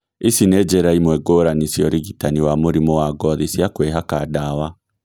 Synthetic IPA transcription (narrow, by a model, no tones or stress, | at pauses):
isinɛd͡ʒɛɾaimwɛɡoːɾanisiɔɾiɡitaniwamoɾimɔwaɡɔðisjakweɦakadawa